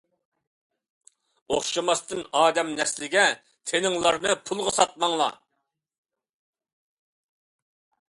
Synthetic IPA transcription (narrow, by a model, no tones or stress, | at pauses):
oχʃɑmɑst̪ɨnɑːd̪ɛmnɛslɪɡʲɛ | t̪ʰenɪŋlˠɑɾnɨpʰulˠʁəsɑt̪̚mɑŋlˠɑ̰